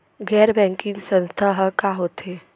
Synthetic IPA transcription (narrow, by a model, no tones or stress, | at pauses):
ɡɛːɾbɛ̃ːŋkɪ̃ŋɡsə̃nst̪ʰaɦəkaɦot̪eː